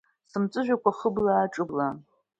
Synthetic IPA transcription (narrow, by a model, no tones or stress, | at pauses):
sɨmt͡sʼɨʒᶣʷakʷʰaχəblaːʈ͡ʂʼɨbla